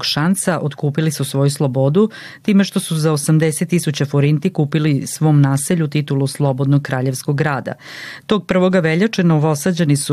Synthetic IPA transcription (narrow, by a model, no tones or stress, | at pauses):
ɡʃansaʔot̪kuːpilisusʋo̞juslˠobo̞d̪u | t̪iːmeʃt̪o̞suzaosamd̪eset̪ːisut͡ɕafoɾint̪ikuːpilisʋo̞ːmnaːseʎut̪it̪uluslˠobo̞d̪noɡ̚kɾaːʎe̞ʋskoɡɡɾaːd̪a̰ | t̪o̞ːɡ̚pr̩ʋoɡaʋeʎat͡ʂenaʋo̞sad͡ʑenisu